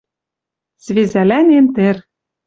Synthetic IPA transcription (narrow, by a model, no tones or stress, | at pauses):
z̥vezælænent̪ɘ̆r